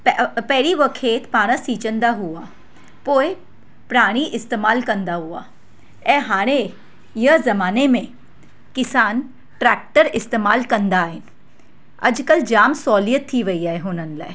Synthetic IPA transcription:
ppɛɦɾiʋəkʰeːt̪paːɽ̃əsiːt͡ʃə̃nd̪aɦuaː | poːe | pɾaːɽ̃iʔɪst̪eːmaːlkɐ̃nd̪aɦua̰ː | ɛɦaːɽ̃e | jəzɐmaːnemẽ | kɪsaːn | ʈɾɛːk̚ʈəɾɪst̪eːmaːlkɐ̃nd̪aɦɪn | ɐ̰d͡ʒkəld͡ʒaːmsɔːlijət̪ʰːiʋɐiaːeɦʊːnənla̰ːe

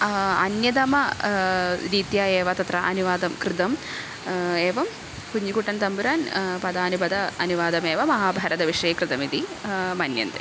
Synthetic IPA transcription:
ɐ̰njɐd̪ɐmɐ | ɾiːt̪jaːeːʋɐt̪ɐt̪ɾɐʔɐ̰niʋaːd̪ɐmkɾɨt̪ɐm | eːʋɐm | puɲːikuʈːɐnt̪ɐmbuɾaːnpɐd̪aːnubɐd̪ɐɐniʋaːd̪ɐmeːʋɐmɐɦaːbʱɐɾɐd̪ɐʋiʂɐjɐkɾɨt̪ɐmid̪imɐnjɐ̰nt̪ɨ

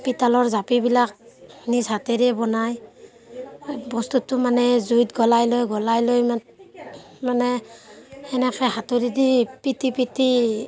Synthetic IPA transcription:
pitalɔɹzapibilak̚nisatɛɾɛbɔnaj | bɔstutːʊmanɛzujtɡɔlajlojɡɔlajloja | manɛ | ɛnɛkʰɛɦatudidipitipiti

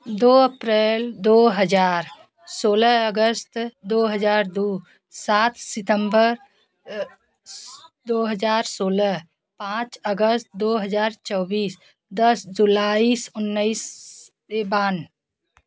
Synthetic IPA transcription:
d̪oəpɾeːld̪oɦəd͡ʒaːɾ | soːləəɡəst̪d̪oɦəd͡ʒaːɾd̪u | saːt̪ʰsɪt̪əmbəɾ | d̪oɦəd͡ʒaːɾsoːləɦ | pãt͡ʃəɡəst̪̚d̪oɦəd͡ʒaːɾt͡ʃɔːbiːs | d̪əsd͡ʒulaisʊnːəis | eban

